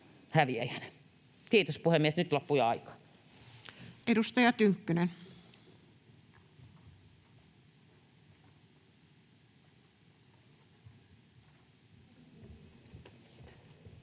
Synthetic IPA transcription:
hæʋiæjæne | t̪iːt̪ospuhemːiesnyt̪lopːujɑɑikɑ̥ | ʔedust̪ɑjɑt̪yŋkːynen

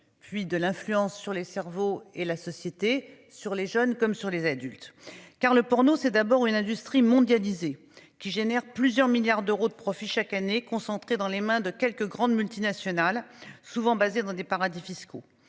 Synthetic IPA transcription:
pɥid̪əlɛ̃flyɑ̃sːyʁlesɛʁvoelasɔsjet̪e | syʁleʒœnkɔmsyʁlezad̪ylt̪kaʁləpɔʁnosɛd̪abɔʁynɛ̃d̪yst̪χimɔ̃d̪jalize | kʲiʒenɛʁplyzjœʁmiljaʁd̪øʁod̪əpχɔfiʃakanekɔ̃sɑ̃t̪χed̪ɑ̃lemɛ̃d̪əkʲɛlkəɡʁɑ̃d̪mylt̪inasjɔnalsuvɑ̃bazed̪ɑ̃d̪epaʁad̪ifisko̰

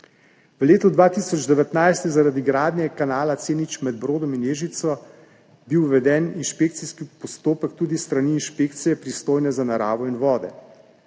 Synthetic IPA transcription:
ʋleːt̪ɔd̪ʋaːt̪isɔd͡ʒd̪ɛʋɛt̪najst̪jɛzaɾad̪iɡɾaːd̪nʲjɛkanaːlat̪seːnit͡ʃmɛd̪̚bɾoːd̪ɔminjeːʒit̪sɔ | biwʋɛd̪ɛːninʃpek̚t̪siskipɔst̪oːpəkt̪uːd̪ist̪ɾaniːnʃpeːkt̪sijɛpɾist̪oːjnɛzanaɾa̰ːʋɔinʋɔːd̪ɛ̰

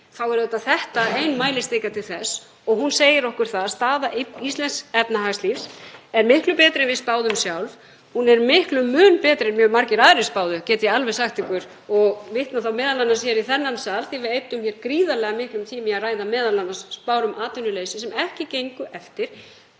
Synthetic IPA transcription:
θawɛɾɛt̪aθɛht̪aejnmaːjlɪst̪eːjkat̪ʰɪlθɛs | ɔɣɦunseːjɪɾɔhkʏɾ̥θaðast̪aːðaʔɪist̪lɛnsɛpnaɦaːɣslifsɛɾmɪhklʏpɛːt̪ɾɪnvɪðspaːwðʏmsjawlv | hunɛɾmɪhklʏmːʏːnpɛːt̪ɾɪnmjœːmaɾcɪɾaːðɾɪspaːwðʏcɛːt̪ɪjɛalvɛsaxt̪ɪkʏɾ̥ | ɔɣvɪht̪naθawmɛːðalanːasjɛɾiθɛnːansaːlθivɪðejt̪ːʏmçɛɾkɾiːðalɛɣamɪhklʏmt̪ʰimiaraːjðamɛːðalanːasspaːwɾʏmʔaːt̪ʏnːʏlejsɪsɛmɛhcɪcejŋkʏʔɛft̪ɪɾ̥

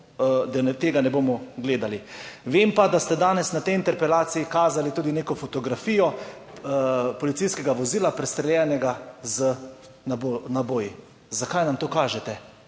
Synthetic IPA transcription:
d̪at̪eːɡanɛboːmɔɡleːd̪aliʋeːmpad̪ast̪ɛd̪aːnɛsnat̪ɛjint̪ɛɾpɛlaːt̪siikaːzalit̪uːd̪ineːkɔfot̪ɔɡɾafiːjɔ | pɔlit̪sijskɛɡaʋɔziːlapɾɛst̪ɾɛlʲjɛːnɛɡazə | nabonaboːji | zakajnamt̪oːkaːʒɛt̪ɛ

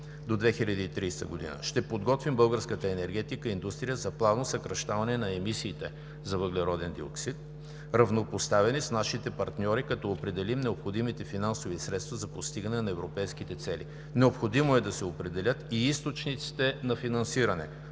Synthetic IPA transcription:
d̪od̪vɛxilʲəd̪iːt̪ɾiːst̪ə̰ɡod̪ḭnə̰ʃt̪ɛpod̪ɡɔt̪vimbɤlˠɡəɾskət̪əɛnɛɾɡ̟ɛt̪ikəind̪ust̪ɾijəzɐplˠavnosɐkɾɐʃt̪avɐnɛnɐɛmisiːt̪ɛ | zɐvəɡlɛɾɔd̪ɛnd̪io̰ksit̪̚ | ɾɐvnopost̪avɛnisnaʃit̪ɛpɐɾt̪nʲɔɾikɐt̪ɔopɾɛd̪ɛlimnɛopxod̪imit̪ɛfinansovisɾɛt̪st̪vɐzɐpost̪iɡənɛnɐɛvɾopɛjskit̪ɛt̪sɛlḭ | nɛopxod̪imoɛd̪ɐsɛopɾɛd̪ɛlʲət̪iist̪ot͡ʃnit̪si̥t̪ɛnɐfinɐnsiɾɐnɛ̰

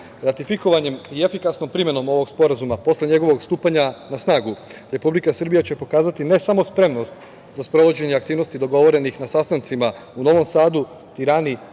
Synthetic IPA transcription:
ɾat̪ifiko̞ʋaɲe̞miefikasno̞mpɾime̞no̞mo̞ʋo̞ɡspo̞ɾazumapo̞sle̞ɲe̞ɡo̞ʋo̞ɡst̪uːpaɲanasnaːɡuɾe̞publikasr̩bijat͡ɕe̞po̞kaːzat̪ine̞samo̞spɾe̞mno̞st̪ | zaspɾo̞ʋo̞d͡ʑe̞ɲeakt̪iːʋno̞st̪id̪o̞ɡo̞ʋo̞ɾe̞nixnasast̪ant̪sima | uno̞ʋo̞msaːd̪u | t̪iɾani

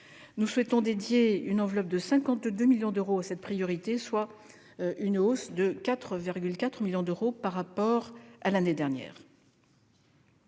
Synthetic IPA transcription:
nuswɛt̪ɔ̃d̪ed̪jeynɑ̃vlɔp̚d̪əsɛ̃kɑ̃t̪d̪ømiljɔ̃d̪øʁoasɛt̪̚pχijɔʁit̪eswa | ʔynosd̪əkʲat̪χəviʁɡʲylkat̪χmiljɔ̃d̪øʁopaʁːapɔʁalaned̪ɛʁnjɛ̰ːʁ

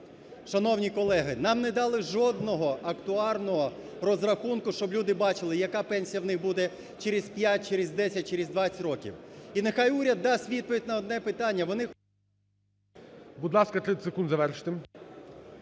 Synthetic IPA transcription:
ʃɐnɔwnʲikɔlˠɛɦɪnɑmnɛd̪ɑlˠɪʒɔd̪nɔɦɔʔɐkt̪ʊɑrnɔɦɔrɔzrɐxunkʊʃt͡ʃɔblʲud̪ɪbɑt͡ʃɪlˠɪjɐkɑpɛnʲsʲijɐwnɪxbud̪ɛ | t͡ʃeɾɪzʲpʲjat̚ʲt͡ʃeɾɪzʲd̪ɛsʲɐt̚ʲt͡ʃɪɾɪzʲd̪ʋɑt͡sʲɪtʲrɔkʲḭwinɪxɑjuɾʲɐd̪ːɑsʲtʲʋʲid̪̚pɔʋʲid̚ʲnɐɔd̪nɛpɪt̪ɑnʲːɐʋɔnɪ | bud̪lˠɑskɐt̪ɾɪsekund̪zɐʋɛrʃɪ̥t̪ɪm

